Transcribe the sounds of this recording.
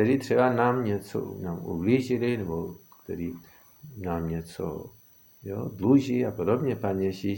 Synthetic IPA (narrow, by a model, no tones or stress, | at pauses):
kt̪ɛɾiːt̪r̥ɛbanaːmɲɛt͡so̰naːmṵbliːʒɪlɪnɛbokt̪ɛɾiː | naːmɲɛt͡so̰ | jod̪luʒiapodobɲɛpaɲjɛʒi